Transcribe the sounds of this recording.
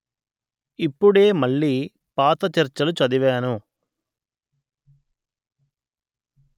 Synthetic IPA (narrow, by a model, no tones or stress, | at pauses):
ipːuɽe̞ːmɐɭːiː | paːt̪ɐt͡ʃɐɾt͡ʃɐlut͡ʃɐd̪iʋaːnu